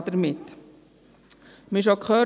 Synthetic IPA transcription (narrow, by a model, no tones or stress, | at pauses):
d̥̪əɾmɪt̪ː | mɪʃ̬okχœː